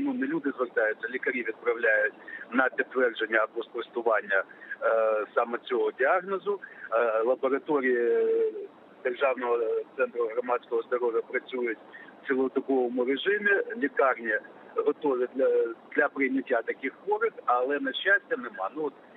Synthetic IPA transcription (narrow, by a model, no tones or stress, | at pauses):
nunelʲud̪ɪzʋɛrt̪ɑjʊt͡sʲːɐlʲikɐɾʲiʋʲid̪̚pɾɐwlʲajʊtʲnɐpʲit̪ːʋɛrd͡ʒenʲːɐpɔskɔɪst̪ʊʋɑnʲːɐ | sɑmɛt͡sʲɔɦɔdʲiɑɣnɔzʊlˠɐbɔɾɐt̪ɔɾʲiji | d̪erʒɑwnɔɦɔt̪sɛnt̪ɾʊɦɾɔmɑt͡sʲkɔɦɔzd̪ɔɾɔʋʲjɐpɾɐt͡sʲujʊtʲw̥t͡sʲɪlˠɔt̪ʊkɔʋɔmʊɾeʒɪmʲɪlʲikɑrnʲi | ɦɔt̪ɔʋʲɪd̪ʲɐd̪lʲɐpɾɪjnʲɐtʲːat̪ɐkɪxʋɔɾɪxɐlˠɛnɛʃasʲtʲɐnɛmɑnuɔt̪̚